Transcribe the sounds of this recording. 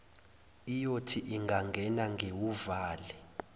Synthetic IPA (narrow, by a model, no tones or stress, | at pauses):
ijotʰiʔiŋɡʱaŋɡʱɛnaŋʱewuvaːlɛ